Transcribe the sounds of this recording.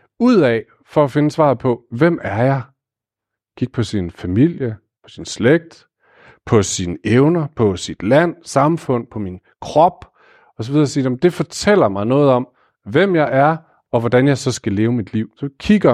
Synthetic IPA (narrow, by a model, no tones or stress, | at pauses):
uð̰ˠɛ | fɒ̽æfe̝nəsʋɑ̰̈ːðˠpʰɒ̽ʋem̰æɐjɑ̈ɪ | kʰiɡ̥̚pʰɒ̽sinfæmil̰jə | pʰɒ̽sinsleɡ̥̚d̥ | pʰɒ̽sinəeʊnɐpʰɒ̽sid̥læn̰sɑ̈mfɔ̽n̰pʰɒ̽min | kʰʁɒb̥ | ɒ̽sɒʋið̞ˠɐːsiːem̩d̥e̝fɒ̽t͡sʰel̰ɐmɑ̈ɪnɔ̽ːð̞̩ˠɒ̽m̰ | ʋem̰jɑ̈ɪʔæɐ | ɒ̽ʋɒd̥ænjɑ̈ɪsɒ̽sɡ̥æle̝ːʊəmid̥liʊ̰sɒ̽kʰiɡ̥ɐ